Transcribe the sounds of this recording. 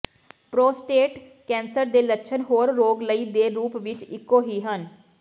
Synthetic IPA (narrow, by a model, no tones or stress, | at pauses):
pɾoːsʈeːʈ | kɛ̃ːnsəɾd̪eːlətːʃʰənɦoːɾːoːɡləiːd̪eːɾuːpʋɪt͡ʃɪkːoːɦiːɦən